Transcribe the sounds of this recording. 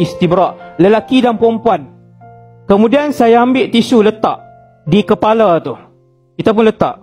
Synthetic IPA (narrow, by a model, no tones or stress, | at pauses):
ist̪ibɾaʔləlakidanpɔmpuan | kəmudiansajaːmbɪʔt̪isulət̪a̰ʔ | dikəpalat̪u | kit̪ap̬ʊnlət̪a̰ʔ